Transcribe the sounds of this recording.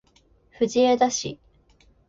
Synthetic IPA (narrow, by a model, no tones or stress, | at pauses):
ɸɯ̟d͡ʑied̪aɕḭ